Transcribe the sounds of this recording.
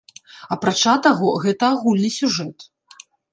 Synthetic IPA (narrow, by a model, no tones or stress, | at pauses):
ɐpɾat͡ʂat̪aɣɔɣɛt̪ɐaɣulʲnɨsʲuʐɛt̪